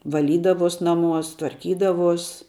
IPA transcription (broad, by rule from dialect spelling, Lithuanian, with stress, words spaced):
ʋɐˈlʲiːdɐʋoːs ˈnɑːˌmuɔs tʋɐrʲˈkʲiːdɐʋuɔs